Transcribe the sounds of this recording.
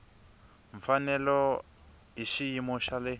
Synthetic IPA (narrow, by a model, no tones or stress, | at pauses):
ɱ̩fanɛlɔ | ɦiʃijimɔʃalɛ